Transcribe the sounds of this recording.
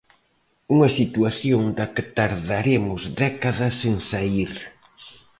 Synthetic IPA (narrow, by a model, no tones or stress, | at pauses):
uŋɐsit̪uaθjoŋd̪ɐkɪt̪aɾðaɾemʊzd̪ɛkaðɐseŋsaiɾ